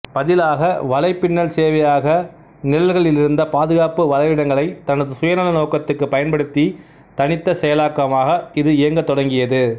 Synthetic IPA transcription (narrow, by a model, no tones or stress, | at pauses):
pɐðɪlaːɣɐʋɐlɐɪpːɪɳːɐɭseːʋɐjaːɣɐ | nɪlɐlɣɐɭɪlɪɾɯnd̪ɐpaːðɯɣaːpɯʋɐlɐɪʋɪɽɐŋɡɐɭɐɪt̪ɐnɐðɯsʊjɐnɐlɐnoːkɐt̪ːɯkːɯpɐjɐnpɐɽɯt̪ːi | t̪ɐnɪt̪ːɐsɛjɐlaːkːɐmaːɣɐɪðɯɪjɐŋɡɐt̪ːɔɽɐŋɡɪjɐðɯ